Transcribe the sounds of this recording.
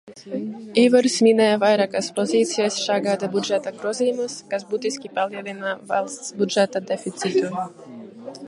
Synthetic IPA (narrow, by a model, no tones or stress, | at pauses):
ivəɾsminajavajɾakaspɔzit̪sijasʃaɡaːd̪abud͡ʒɛt̪akɾɔzimaskazbut̪iskipalˠjɛd̪ɛnavalˠbud͡ʒɛt̪ad̪ɛfit̪sit̪u